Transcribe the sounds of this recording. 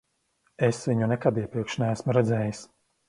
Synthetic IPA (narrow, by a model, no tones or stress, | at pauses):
esviɲunɛkad̪iɛpɾiɛkʃnææsmuɾɛd̪zɛːjis